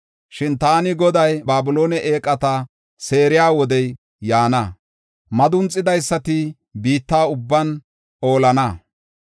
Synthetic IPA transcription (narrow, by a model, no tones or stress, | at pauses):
ʃɪnt̪aːnɪɡɔd̪ɐjbaːbʊlo̞ːnɛʔeːkʼːɐt̪ɐ | se̞ːɾɪjaːwɔd̪ɛj | jaːnɐ | mɐd̪ʊnt͡sʼːɪd̪ɐjsːɐt̪ɪ | biːt̪ːaːʊbːɐn | ʔo̞ːlɐnɐ